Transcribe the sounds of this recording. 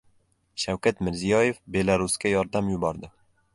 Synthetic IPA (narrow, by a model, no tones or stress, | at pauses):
ʃawkat̪mɪɾzijɒjefbe̞laɾʊskʲajɒɾd̪amjʊbɒɾd̪ɪ